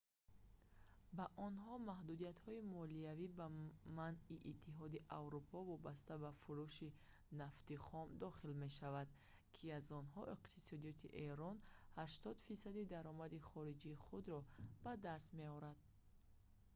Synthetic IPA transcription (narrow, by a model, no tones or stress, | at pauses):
baʔɔnɦɔmahd̪ud̪ijat̪hɔimɔliavibamaniʔːt̪ʰːiɦɔd̪iʔavɾupʰɔvɔbast̪abafuɾuʃi | naft̪iχɔmd̪ɔχilme̞ʃavad̪̚ | kʰiazɔnɦɔʔiqt̪ʰisɔd̪ijɔt̪ʰiʔe̞ɾɔnhaʃt̪ɔd̪fisad̪id̪aɾɔmad̪iχɔɾid͡ʒiːχud̪ɾɔb̥ad̪ast̪meɔɾad̪̥